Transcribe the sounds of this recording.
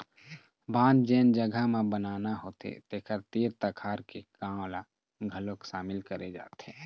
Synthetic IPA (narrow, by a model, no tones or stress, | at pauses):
bãːnd͡ʒeːnd͡ʒəɡʱamẽbənaːnaɦoːt̪ḛt̪eːkʰəɾt̪iːɾt̪əkʰaːɾkekaːmla | ɡʱəlokʃaːmɪlkəɾed͡ʒa̰ːt̪ɦeː